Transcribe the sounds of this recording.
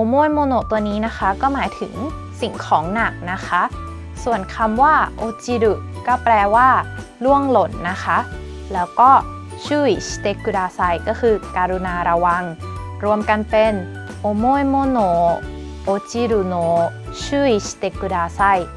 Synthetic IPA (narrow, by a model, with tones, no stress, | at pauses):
ʔo˧moː˥˨jmoː˧noː˧˩t̪u˧əniː˦˥na˦˥kʰa˦˥kɔː˥˩maː˩˦jt̪ʰɯ̰˨˩˦ŋ | si˨˩ŋkʰɔː˩˦ŋna˨˩k̚na˦˥kʰa˦˥ʔ | su˨˩ənkʰa˧mwaː˥˩ʔoː˧t͡ɕi˧du˨˩ | kɔː˥˩plɛː˧waː˥˩ | lu˥˩əŋlo˨˩˦nːa˦˥kʰa˦˥ʔ | lɛː˦˥wkɔː˥˩ | t͡ɕʰuː˥˩jsi̥˧t̪e˦˥kːu˧daː˧sa˥˩jkɔː˥˩kʰɯː˧kaː˧ɾu˧naː˧ɾa˧wa˧ŋ | ɾu˧əmka˧npe˧n | ʔo˧moː˥˨jmoː˧noː˧˩ | ʔoː˧t͡ɕi˧du˨˩noː˧˩ | t͡ɕʰɯː˥˩jsi̥˧t̪e˦kːu˧daː˧sa˥˩j